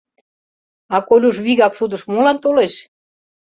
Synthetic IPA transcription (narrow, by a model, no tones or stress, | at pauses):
ɑkolʲuʃβiɣɑksud̪ə̆ʃmolɑnt̪oleʃ